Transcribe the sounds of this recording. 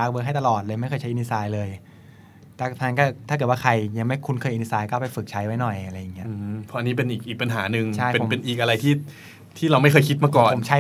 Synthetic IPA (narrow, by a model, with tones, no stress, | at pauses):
aː˦˥k̚wəː˧˦˥kɦa˥˩jt̪a˧lɔː˨˩t̪̚lɤː˧jma˥˩jʰɤː˧˩t͡ɕʰa˦˥ʔni˧˥saː˧jlɤː˧j | t̪ʰːt̪ʰa˧˥nkɔː˥˩a˥˩kɤː˨˩t̪wa˥˩kʰa˧jja˧ŋma˥˩jkʰu˧nkʰɤː˧jʔi˧i˧˥saː˧jkɔ˥˩pa˧˩fɯ˨˩k̚t͡ɕʰa˦˥jwa˦˥jnɔ˨˩ja˧ɾa˧jːa˨˩ŋːi˦˥ɐ˦˧pʰɔ˦˥ʔa˧niː˦˥p̬e˧nʔiː˨˩k̚ʔiː˨˩k̚pa˧nɦaː˩˦nɯ˧ŋt͡ɕʰa˥˩jpe˧n˦pe˧nʔiː˨˩k̚ʔa˧ɾa˧jt̪ʰiː˥˩ | t̪ʰiː˥˩ɾa˧wma˥˩jkʰɤː˧jkʰi˦˥t̪̚maː˧˥kɔː˨˩o˩˦mt͡ɕʰa˦˥